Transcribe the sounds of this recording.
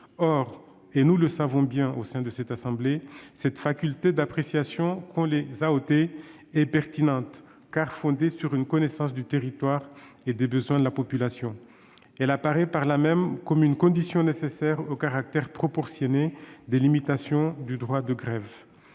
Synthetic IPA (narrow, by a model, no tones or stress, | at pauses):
ɔʁ | enuləsavɔ̃bjɛ̃ʔosɛ̃d̪əsɛt̪asɑ̃blesɛt̪fakʲylt̪ed̪apχesjasjɔ̃kɔ̃lezaot̪e | ɛpɛʁt̪inɑ̃t̪ | kaʁfɔ̃d̪esyʁynkɔnɛsɑ̃sd̪yt̪eʁit̪waʁed̪ebəzwɛ̃d̪əlapɔpylasjɔ̃ | ɛlapaʁɛpaʁlamɛmkɔmynkɔ̃d̪isjɔ̃nesesɛʁokaʁak̚t̪ɛʁpχɔpɔʁsjɔned̪elimit̪asjɔ̃d̪yd̪ʁwad̪əɡʁɛv